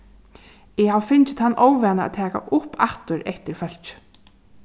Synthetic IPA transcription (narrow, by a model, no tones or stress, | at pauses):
ɛɦawfɪnt͡ʃɪ̥t̪hanːʔɔːwvɛːnaa̰t̪ʰɛːka̰ʔʊpaht̪ʊɾɛht̪ɪɾfœl̥t͡ʃ